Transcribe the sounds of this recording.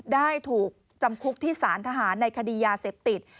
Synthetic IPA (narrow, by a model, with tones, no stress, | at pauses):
daː˥˩jt̪ʰuː˨˩k̚ | t͡ɕa˧mkʰu˦˥k̚t̪ʰiː˥˩saː˩˦nt̪ʰaː˧ɦaː˩˦nːa˧jkʰa˧diː˧jaː˧se˨˩p̚t̪i˨˩t̪̚